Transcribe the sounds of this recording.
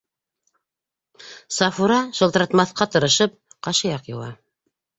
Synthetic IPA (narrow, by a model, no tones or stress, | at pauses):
sɑfuɾɑʃŏlˠt̪ɾɑt̪mɑθqɑt̪ɤ̆ɾɤ̆ʃɤp̚qɑʃɤ̆jɑqjɤ̆wɑ̰